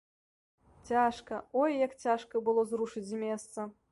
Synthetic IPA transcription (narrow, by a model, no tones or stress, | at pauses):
t͡sʲaʂkɐɔjːɐkt͡sʲaʂkɐbɨlˠɔzɾuʂɨd͡zʲmʲɛst̪sɐ